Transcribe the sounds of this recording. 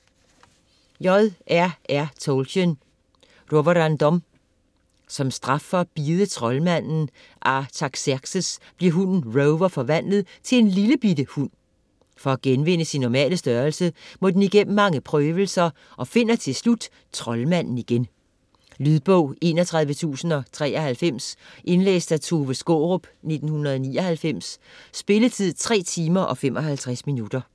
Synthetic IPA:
jɒðˠʔæɐæɐt͡sʰoʊlɕən | ʁobɐd̥ænd̥ɒ̽m | sɒ̽msd̥ʁɑ̈fɒb̥ið̞ˠət͡sʰʁɒ̽lmæn̰n̩ | ʔɑt͡sʰɑ̈ɡ̥sæɡ̥səsb̥liɐɦunn̩ʁoʊʋɐfɒ̽ʋæn̰lð̩ˠt͡sʰe̝le̝nliləb̥idəhun̰ | fɒ̽æɡ̥enʋe̝n̰əsinːɒmɛ̰ːləsd̥ɶːɐlsəmɔ̽d̥eniɡ̥en̰̩mɑ̈ŋəpʰʁœːʋəl̩sɐ | ʔɒ̽fe̝n̰ɐt͡sʰe̝lslud̥ | t͡sʰʁɒ̽lmæn̰n̩iɡ̥en | lyðˠb̥ɔʊ̰e̝ːnɒt͡sʰʁɑ̈ð̞ˠʋət͡sʰṵːsn̩ɒ̽t͡sʰʁɛ̰ːɒhælfem̰sʔe̝nlḛːsd̥æt͡sʰoːʋəsɡ̥oʁɔb̥ne̝d̥n̩hunɐð̞ˠɒnḭːɒ̽hælfem̰sːb̥e̝lət͡sʰið̰ˠt͡sʰʁɛ̰ːt͡sʰiːmɐʔɒ̽femʔɒ̽hælt͡sʰʁasminud̥ɐ

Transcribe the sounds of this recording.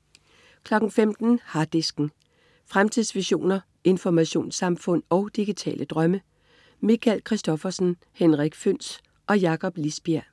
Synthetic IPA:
kʰlɒ̽ɡ̥ŋ̩femd̥n̩hɑ̈d̥isɡ̥n̩ | fʁamt͡sʰiðˠsʋiɕo̝̰ːnɐ | e̝nfɒmæɕo̝̰ːnsɑ̈mfɔ̽n̰ɒ̽ʊd̥iɡ̥it͡sʰɛ̰ːlʔəd̥ʁɶmə | mikʰælkʰʁisd̥ɒ̽fɐsn̩ | henʁiɡ̥føn̰s | ʔɒ̽jɑ̈kʰɒ̽b̥lisb̥iæɐ

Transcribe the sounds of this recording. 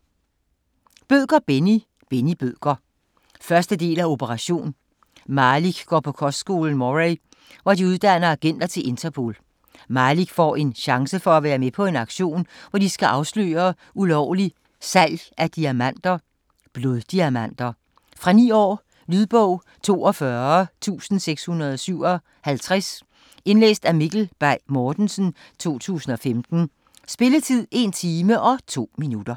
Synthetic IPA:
b̥øðɡ̥ɐb̥eni | b̥enib̥øðɡ̥ɐ | fɶɐsd̥əde̝̰ːlæo̝b̥ʰəʁɑ̈ɕo̝̰ːn | mɑliɡ̥ɡ̥ɒ̰ːpʰɒ̽kʰɒ̽sd̥sɡ̥o̝ːln̩mɒʁeɪ | ʋɒd̥iuð̞ˠd̥æn̰ɐæɡ̥en̰d̥ɐt͡sʰe̝lʔe̝nt͡sʰɐpʰo̝̰ːl | mɑ̈ːliɡ̥fɒ̰ːe̝nɕɑ̈ŋsəfɒ̽æʋæːɐmepʰɒ̽e̝nɑ̈ɡ̥ɕo̝̰ːnʋɒd̥isɡ̥æʔɑ̈ʊslø̰ːɐ | ulɒʊli | sæl̰jʔæd̥iæmæn̰d̥ɐ | b̥lo̝ðˠd̥iæmæn̰d̥ɐ | fʁɑ̈nḭːɒ̰ː | lyðˠb̥ɔʊ̰ | t͡sʰo̝̰ːɒfɶɐt͡sʰṵːsn̩seɡ̥shunɐð̞̩ˠɒ̽syʊ̰ɒ̽ | hælt͡sʰʁas | e̝nlḛːsd̥æmiɡ̥l̩b̥ɑ̈ɪmɒːd̥n̩sn̩ | t͡sʰo̝̰ːt͡sʰṵːsn̩ɒ̽femd̥n̩ | sb̥e̝lət͡sʰið̰ˠe̝nt͡sʰiːməʔɒ̽t͡sʰo̝̰ːminud̥ɐ

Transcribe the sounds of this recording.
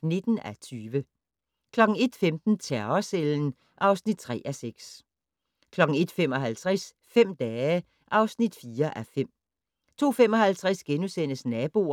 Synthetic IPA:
ne̝d̥n̩æt͡sʰyːʋə | kʰlɒ̽ɡ̥ŋ̩e̝d̥femd̥n̩t͡sʰæɐɐseln̩ | ʔɑ̈ʊsnid̥̚t͡sʰʁɛ̰ːʔæseɡ̥s | kʰlɒ̽ɡ̥ŋ̩e̝d̥fem̰ɒ̽ɦælt͡sʰʁɛs | fem̰d̥ɛːə | ʔɑ̈ʊsnid̥fiːɐʔæfem̰ | t͡sʰo̝̰ːfem̰ɒ̽hælt͡sʰʁɛsɡ̥enusen̰əsnɛːb̥o̝̰

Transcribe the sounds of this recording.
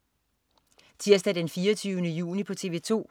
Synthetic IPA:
t͡sʰiɐ̰sd̥æd̥enfiːɐt͡sʰyːʊnəjṵːnipʰɒ̽t͡sʰe̝ʋe̝̰ːt͡sʰo̝̰ː

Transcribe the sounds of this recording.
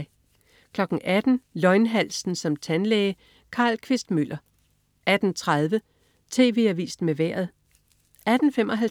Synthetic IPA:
ɪ | kʰlɒ̽ɡ̥n̩ʔæd̥n̩lɒ̽ɪnɦæl̰sn̩sɒ̽mt͡sʰænleɪ | kʰɑ̈ːlkʰʋe̝sd̥mylʔɐ | ʔæd̥n̩t͡sʰʁað̞ˠʋə | t͡sʰe̝ːʋe̝̰ːæʋḭːsd̥meʋæɐ̰ð̞̩ˠ | ʔæd̥n̩fem̰ʔɒ̽ɦæl

